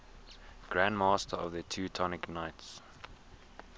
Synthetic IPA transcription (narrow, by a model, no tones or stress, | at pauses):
ɡ̥ɹæ̃nmɑstʰəɔvðətʰʉːtʰɔnɪknaɪts